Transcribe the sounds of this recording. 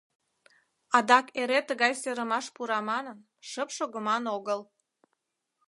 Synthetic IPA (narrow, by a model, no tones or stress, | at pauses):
ɑd̪ɑkeɾet̪əɣɑjseɾəmɑʃpuɾɑmɑnən | ʃəpʃoɣəmɑnoɣəl